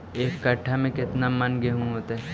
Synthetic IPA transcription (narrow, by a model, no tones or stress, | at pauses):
eːkːɐʈʰːamẽkɪt̪namɐnɡeɦũɦoːt̪aɦɛ